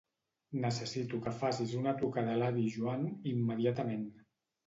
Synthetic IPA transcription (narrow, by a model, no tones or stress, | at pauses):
nəsəsit̪ukəfasizunət̪ukaðəlaβiʒuanimːəðiat̪əmen